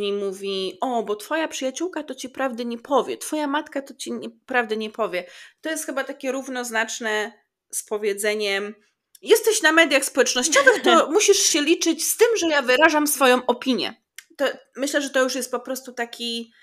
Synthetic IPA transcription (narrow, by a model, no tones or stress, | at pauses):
ɲimuvʲiɔbɔt̪fɔjapʂɨjat͡ɕuwkat̪ɔt͡ɕipɾavd̪ɛɲɛpʰɔvʲjɛt̪fɔjamat̪kat̪ɔt͡ɕiɲɛpɾavd̪ɛɲɛpɔvʲjɛt̪ɔjɛst̪xɘbat̪akʲɛɾuvnɔznat͡ʂnɛ | spɔvʲjɛd̪zɛɲɛm | jɛst̪ɛɕnamɛd̪ʲjaxspɔwɛt͡ʂnɔɕt͡ɕɔvɛt̪ɔmuɕiʂɕɛlʲit͡ʂɘt͡ɕst̪ɘmʐɛjavɘɾaʐamsfɔjɔ̃w̃ʔɔpʲiɲjɛ̰ | t̪ɔ | mɘɕlɛʐɛt̪ɔjuʂjɛst̪̚pɔpɾɔst̪ut̪akʲi